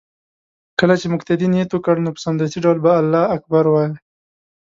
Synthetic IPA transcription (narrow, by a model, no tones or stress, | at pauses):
kəlat͡ʃemʊkt̪ad̪inet̪okəɽnopə̥sand̪at̪iɖawlbaːlːɑak̚baɾwɑji